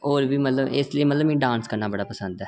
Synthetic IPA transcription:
oːɾbiːmət̪ləbɪsliiːmət̪ləbmɛ̃ːɖãːnskəɾnaːbəɽaːpəsə̃nd̪ɛː

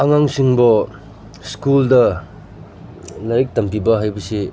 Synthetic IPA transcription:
ɐŋaŋsiŋbɐ | skuldɐ | nɐɾik̚tɐmpibɐɦajbɐsi

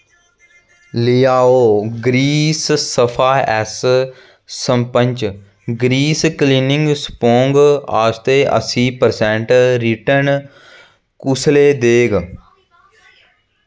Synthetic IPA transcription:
lijaːoːɡɾiːssəfʰaːjɛːs | səmpə̃ɲʲt͡ʃ | ɡɾiːskliːnɪ̃ŋɡspoːŋɡaːst̪eːʔə̰siːpəɾsɛ̃ːɳʈɾiʈəɾn | kʊsleːd̪eːɡ

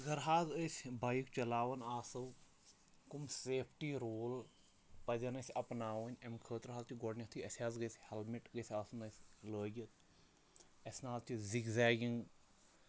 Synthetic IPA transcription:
ɡɐɾɦaːzəjsʲbajkt͡ʃɐlaːʋɐnaːsɐw | kumseːpʰʈiːɾoːl | pɐzʲɐnɐsʲɐpnaːʋənʲɐmkʰəːt̪ɾɦaːzt̪ʰiɡɔɽnʲɐt̪ʰuɐsʲaːzɡəjsʲhɛlmiʈɡəsʲaːsunəjsʲləːɡʲɐt̪̚ | ɐsʲnaːzt͡ʃiziɡzaːɡiŋ

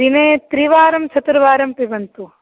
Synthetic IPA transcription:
ineːt̪ɾiʋaːɾɐmt͡ʃʰɐt̪ɾɐʋaːɾɐmpibɐnt̪u

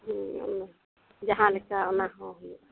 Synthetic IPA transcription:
ɦũɔ̰na | d͡ʒaɦãlɛkaɔnaɦɔ̃ɦuj

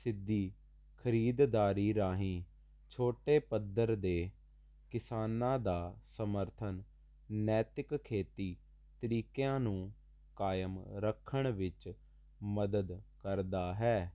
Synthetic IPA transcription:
sɪd̪ːiː | kʰəɾiːd̪d̪aːɾiːɾaːɦĩː | t͡ʃʰoːʈeːpəd̪əɾd̪eː | kɪsaːnãːd̪aːsəməɾt̪ʰən | nɛːt̪ɪkkʰːeːt̪iː | t̪əɾiːkjãːnũː | kaːjəmɾəkʰːəɳ̃ʋɪt͡ʃ | məd̪əd̪kəɾd̪aːɦɛː

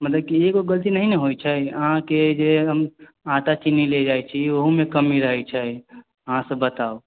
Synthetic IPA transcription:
mət̪ləb̚kieɡoɡəlt̪inəɦineɦojt͡ʃʰɛəɦãked͡ʒeɦəm | ãʈat͡ʃinːiled͡ʒajt͡ʃʰioɦumekəmiɾəɦɛt͡ʃʰɛ | əɦãsəbət̪ao

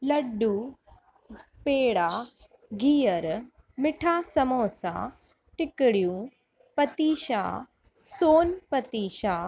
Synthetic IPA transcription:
lɐɖuː | peːɽa | ɡʱiːjəɾ | mɪʈʰaːsɐmõːsã̰ | ʈɪkɽjũ | pɐt̪iːʃa̰ː | soːnpɐt̪iːʃaː

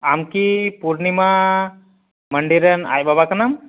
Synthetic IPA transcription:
amkipuɾɳima | məɳɖiɾəna̰jbabakənam

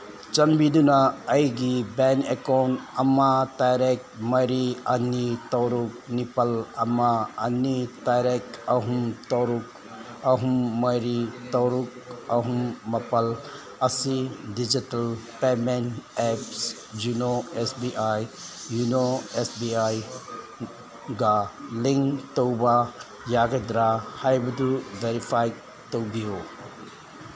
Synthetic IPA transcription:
t͡ʃɐmbid̪unaɐjɡibɛnekɔːnɐmat̪ajɾek̚mɐɾiɐnːit̪oːɾuk̚nipɐlɐmaɐ̰nːit̪ajɾekɐɦumt̪oːɾuk | ɐɦumːɐjɾit̪oɾuk̚ɐɦumːɐpɐl | ɐsidid͡ʒitɐlpemenɛps | d͡ʒunoesbiʔajjunoesbiaj | ɡaliŋt̪owba | jaɡed̪ɾahajbɐd̪uʋeɾifʰajk | t̪owbio

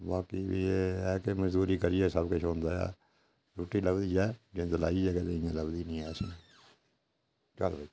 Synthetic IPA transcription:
baːkibieɛːkeməd͡ʒd̪uːɾiːkəɾiɛːsəbkʊt͡ʃʰɦõːnd̪aːja̰ː | ɾuːʈːiːləbd̪iːd͡ʒɛːd͡ʒend̪əla̰ːid͡ʒɛːkɛt̪eɪ̃jãːləbd̪iːnĩːɛːsĩː | t͡ʃə̰lbəi

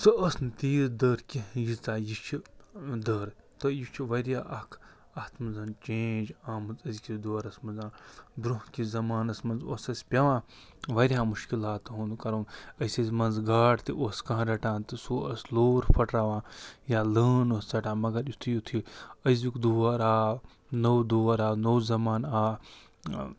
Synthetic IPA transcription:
sɨɐsnt̪iːɾd̪əːɾkʲijizt̪aːjit͡ʃʰid̪əːɾt̪ɐjit͡ʃʰiʋɐɾjaːʔɐkʰ | ɐht̪mɨzɐnt͡ʃẽːd͡ʒaːmɨt̪ɐzkʲid̪oːɾɐsmɐzãːd̪ɾuɦkʲizɐmaːnɐsmɐnzoːsɐsʲpʲɐʋãː | ʋɐɾʲjãːmuʃkilaːt̪ɦũːnd̪ukɐɾoːɐsʲɐsmɐnzɡaːʈt̪iʔoːskɐ̃ɦãɾɐʈãːnt̪ɨsuɐsloːɾpʰɐʈɾaːʋãːjaːləːnoːst͡sɐʈãːmɐɡɐɾjut̪ʰijut̪ʰiɐzʲjukd̪uɐɾaː | nɐwd̪uːɐɾaːnɐːzɐmaːnaː

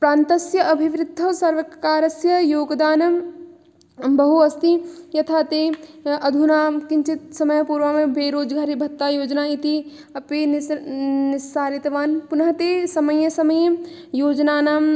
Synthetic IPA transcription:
pɾãːnt̪ɐsjɐʔɐbʱiʋɾɪd̪ʱːɐsɐɾʋɐkaːɾɐsjɐjoːɡd̪aːnɐ | bɐɦuɐst̪ijɐt̪ʰat̪eɐd̪ʱunaːmkint͡ʃit̪sɐməjpuɾʋamẽbeːɾoːd͡ʒɡʱaːɾibʱɐt̪ːajoːd͡ʒnait̪i | ɐpinnɪsaːɾit̪ʋaːnpʊnɐɦɐt̪esɐməjɐsɐməj | joːd͡ʒnaːnaːm

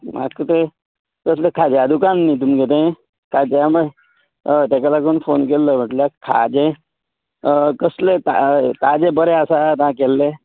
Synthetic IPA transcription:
ma̰kət̪e | kəslekʰad͡ʑjad̪ukanːit̪umket̪̬ẽ | kʰad͡ʑamə | t̪ɛkalakonfonkelːəb̤ʱəʈljakʰa̰d͡ʑẽ | kəslet̪at̪ad͡ʑẽbəɾeasat̪ãkɛlːe

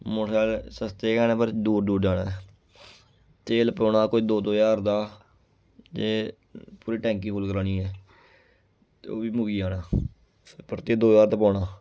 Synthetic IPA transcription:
mʊsaːlsəst̪eːkɛːnɛːpəɾd̪uːɾd̪uːɾd͡ʒaːɽaːɛ | t̪eːlpɔːnaːkoːiːd̪oːd̪oːjaːɾd̪aː | d͡ʒeː | puːɾiːʈɛ̃ːŋkĩːkʊlkəɾaːniːɛː | t̪ːoːbiːmʊɡiːaːnaː | pəɾt̪eːd̪oːjaːɾd̪aːpɔːɽaː

